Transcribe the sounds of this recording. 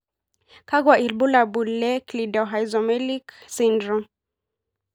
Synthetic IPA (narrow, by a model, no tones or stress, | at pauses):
kaɡwaʔilbulabulːɛklidɔɦajzɔmɛliksindɾɔ̃